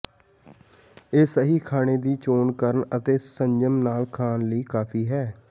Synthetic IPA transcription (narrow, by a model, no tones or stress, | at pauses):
eːsəɦiːkʰaːɽ̃eːd̪iːt͡ʃoːnkəɾəɳət̪eːsəɲd͡ʒəmnaːlkʰaːnləiːkaːpʰiːɦɛː